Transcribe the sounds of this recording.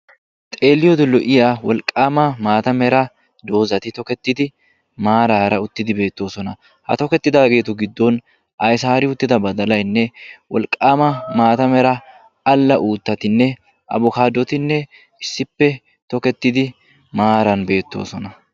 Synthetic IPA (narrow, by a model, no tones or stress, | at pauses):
t̪ʼe̞ːlːɪjɔd̪ɪlːɔʔɪjawɔlkʼːaːmɐmaːt̪ɐmɛɾɐ | d̪o̞ːzɐt̪ɪt̪ɔkɛt̪ːɪd̪ɪ | maːɾaːɾɐʊt̪ːɪd̪ɪbe̞ːt̪ːo̞ːsɔnɐ | hɐ̰t̪ɔkɛt̪ːɪd̪aːɡe̞ːt̪ʊɡɪd̪ːɔn | ʔɐjsaːɾɪʊt̪ːɪd̪ɐbɐd̪ɐlɐjnːɛwɔ̰lkʼːaːmɐmaːt̪ɐmɛɾɐ | ɐlːɐʔuːt̪ːɐt̪ɪnːɛ | ʔɐ̰bʊkaːd̪ːɔt̪ɪnːɛ | ɪsːɪpːɛ | t̪ɔkɛt̪ːɪd̪ɪ | maːɾɐnbe̞ːt̪ːo̞̰ːsɔnɐ